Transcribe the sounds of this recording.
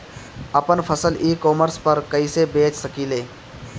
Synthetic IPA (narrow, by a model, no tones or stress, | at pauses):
ɐpənpʰəsəliːkɔːməɾspɐɾkəisebeːt͡ʃsəkiːleː